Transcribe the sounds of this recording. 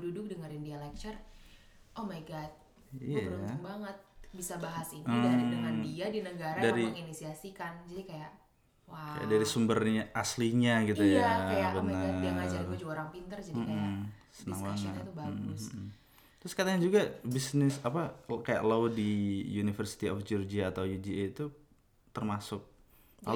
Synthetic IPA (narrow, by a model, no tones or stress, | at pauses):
dudʊk̚dəŋaɾindialɛk̚t͡ʃər | ʔɔmajɡat̪̚ | ijjɾʊabaŋət̪̚bisabaɦasiniadəŋandiadinəɡaɾadaɾiaŋinisiasikand͡ʒadikajaʔ | waa̰ja̰ʔdaɾisumbərɲaʔasliɲaɡit̪ujabənərd͡ʒuoɾaŋpint̪ərd͡ʒadiasənaŋbaŋət̪ubaɡʊs | t̪ɾʊskat̪aɲad͡ʒuɡabisnɪsapakaja̰ʔlawdijunifərsi̥t̪iɔfd͡ʒurd͡ʒiaːt̪awjud͡ʒieit̪u | t̪ərmasʊk̚ | a